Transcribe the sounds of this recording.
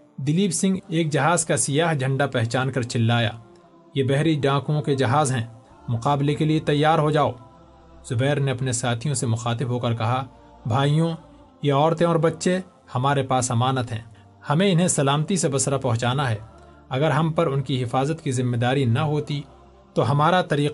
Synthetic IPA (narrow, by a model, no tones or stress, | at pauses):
d̪ɪliːbsɪ̃ŋɡeːkd͡ʒɐɦaːzkasɪjaːɦd͡ʒʱɐ̃ɳɖapɛɦt͡ʃaːnkɐɾt͡ʃɪlːaːja̰ː | jebɛɦɾiɖãːkõked͡ʒɐɦaːzɦɛ̃ː | mʊqaːblekeliet̪ɐjːaːɾɦod͡ʒaːoː | z̥ʊbɛːɾneɐpnesaːt̪ʰijõsemʊxaːt̪ɪbɦokɐɾkɐɦa | bʱaːijõ | jeɔːɾt̪ẽɔːɾbɐtːʃẽ | hɐmaːɾepaːsɦɐmaːnət̪ɦɛ̰̃ː | hɐmẽɪnɦẽsɐlaːmt̪isebɐsɾapɐɦʊ̃t͡ʃaːnaɦɛː | ɐɡəɾɦɐmpɐɾʊnkiɦɪfaːzət̪kizɪmːed̪aːɾinɐɦoːt̪i | t̪oɦɐmaːɾat̪ɐɾiː